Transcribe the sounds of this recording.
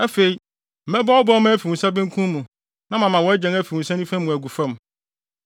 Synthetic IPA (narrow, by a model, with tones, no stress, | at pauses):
æ˦fe˨i˨˦ | m̩˨mɛ˦ba˦ɔ˦bɔ˦mã˦fi˨ũ˨sa˦bɪ̃˦ŋ˦kʰũ˦mũ˨ | nã˦mã˨mã˨wɔ˨˦æ˦d͡ʑɛ̃˨ŋæ˦fi˨ũ˨sa˦nĩ˦fæ̃˦m˦mũ˨æ˨ɡu˨fã˦m